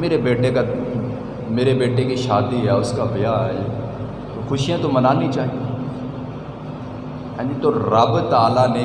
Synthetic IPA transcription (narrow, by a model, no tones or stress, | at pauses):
meːɾebeːʈeka | meːɾebeːʈekiʃaːd̪iɦɛʊskabjaɛe | t̪oxʊʃijãt̪omɐnaːnĩt͡ʃaːɦi | ɛ̃ːd͡ʒit̪oɾɐbt̪aːlane